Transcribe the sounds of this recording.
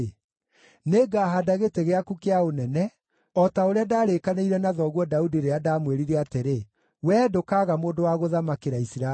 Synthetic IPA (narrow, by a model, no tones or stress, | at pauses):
neːɡaːɦadaɣeteɣeakukeaonɛnɛ | ɔtaoɾeadaːɾekaneiɾɛnaðɔɣwɔdaudiɾeadamweɾiɾɛateɾe | wɛːdokaːɣamoːndowaɣoðamakeɾaisiɾa